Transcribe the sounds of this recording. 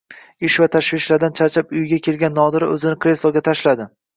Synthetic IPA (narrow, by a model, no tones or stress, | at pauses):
ɪʃvat̪ʰaʃvɪʃlaɾd̪ant͡ʃʰat͡ʃʰapʊjɡʲakʲʰe̞lɡʲanːɒd̪ɪɾɪɵzɪnɪkɾe̞slˠoɡʲat̪ʰaʃlad̪ɪ